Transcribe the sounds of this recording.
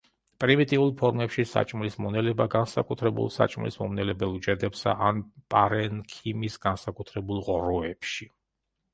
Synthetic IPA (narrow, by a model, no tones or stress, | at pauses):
pʼɾimit̪ʼiulˠpʰɔɾmɛpʃisa̰t͡ʃʼmlismɔnɛlɛbaɡansakʼut̪ʰɾɛbṵlˠsa̰t͡ʃʼmlḭsmɔmnɛlɛbɛlˠud͡ʒɛd̪ɛpsa̰ʔanpʼaɾɛnkʰimisɡansakʼut̪ʰɾɛbulˠʁɔɾɔɛpʃi